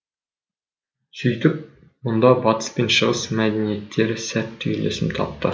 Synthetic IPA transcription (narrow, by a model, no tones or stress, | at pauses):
sɵjt̪ɪp̚ | mond̪ɑbɑt̪ə̥spe̞nʃəʁəsmæd̪enije̞t̪ːe̞ɾɪsæt̪ːɵjle̞̰sɪmt̪ʰɑ̰p̚t̪ə̰